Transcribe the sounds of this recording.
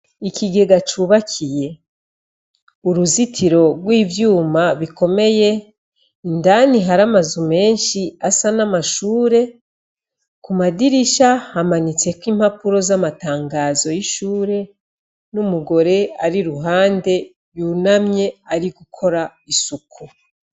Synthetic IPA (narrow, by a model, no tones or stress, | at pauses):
ikiɡe̞ɡat͡ʃuβakʰije̞ | uɾuzitʰiɾo̞ɡwiːvjuːmaβiko̞me̞je̞ | indaniɦaɾamazume̞ːnʃiasanamaʃuːɾe̞ | kumadiɾiʃahamanit͡se̞kwiːm̥hapuɾo̞zamataːŋɡaːzo̞jiʃuːɾe̞ | numuɡo̞ɾe̞aɾiɾuɦaːnde̞ | junamɲe̞aɾiɡukʰo̞ɾaisukʰu